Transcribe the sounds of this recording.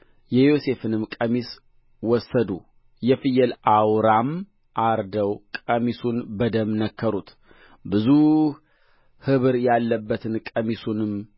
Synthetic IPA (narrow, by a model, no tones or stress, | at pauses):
jɛjose̞fɨnɨmkʼəmis | wɔsːəd̪ṵ | jɛfɨjɛlʔawɾam | ʔaɾd̪əwkʼəmisunbəd̪əmnəkʰːəɾut̪ | bɨzu | hɨβɨɾjalːəbːət̪ʰɨnkʼəmisunɨm